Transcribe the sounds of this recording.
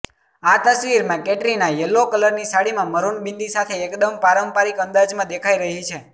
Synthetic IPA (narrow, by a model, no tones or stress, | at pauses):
at̪əsʋiɾmãkeʈɾinajəlːokələɾnisaɽimãməɾuɳbĩnd̪isat̪ʰeːkd̪əmpaɾəmpaɾikə̃nd̪ad͡ʒmãd̪ekʰaiɾəɦit͡ʃʰe